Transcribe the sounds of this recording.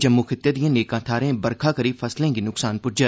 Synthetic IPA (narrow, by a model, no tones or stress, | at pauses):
d͡ʒəmːuːkʰɪt̪ːeːd̪ijãːneːkãːt̪ʰaːɾẽːbəɾkʰaːkəɾiːfʰəslẽːɡiːnʊksaːnpʊɾd͡ʒəɾ